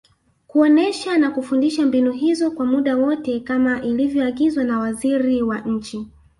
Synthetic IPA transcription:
kuɔnɛʃanakufundiʃambinuɦizɔkwamuɗawɔtɛkamaʔilivjɔaɠizwanawaziɾiwaɲ̩t͡ʃi

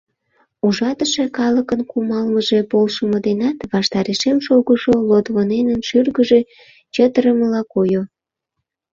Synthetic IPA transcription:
uʒɑt̪əʃekɑləkənkumɑlməʒepolʃəmod̪enɑt̪βɑʃt̪ɑɾeʃemʃoɣəʃolot̪βonenənʃyrɣəʒe | t͡ɕət̪əɾəməlɑkojo

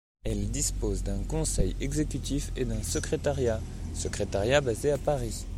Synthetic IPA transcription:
ɛld̪ispozd̪ɛ̃kɔ̃sɛjɛɡzekʲyt̪ifed̪ɛ̃səkχet̪aʁja | səkχet̪aʁjabazeapaʁi

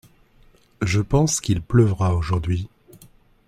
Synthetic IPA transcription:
ʒəpɑ̃skʲilpləvʁaoʒuʁd̪ɥi

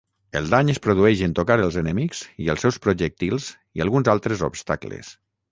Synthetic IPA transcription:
ə̰lˠd̪aɲəspɾoðuɛʒent̪okaɾəlˠzənəmikz̥iəlˠsɛwspɾoʒək̚t̪ilˠz | iəlˠɣunzalˠt̪ɾəzo̰pst̪aklə̰s

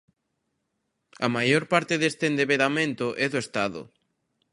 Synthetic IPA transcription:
ɐamajoɾpaɾt̪ɪðest̪end̪eβeɾamẽnt̪ʊʔɛðʊest̪aðʊ̰

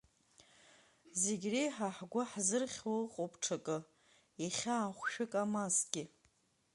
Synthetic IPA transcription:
zeɡʲrijħaħɡʷaħzɨrχʲwoqʼopʰʼʈ͡ʂʰakʼɨ | iχʲaːχʷʃᶣɨkʼamasɡʲɪ

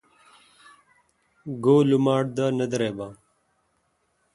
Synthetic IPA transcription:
ɡoːlumaːʈ̚d̪aːnɐd̪ɾeːba

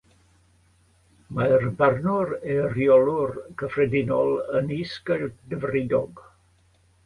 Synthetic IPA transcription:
majrbarnuɾɛəriɔlurkəfɾɛd̪inɔləniskəɾd̪əvəridɔɡ

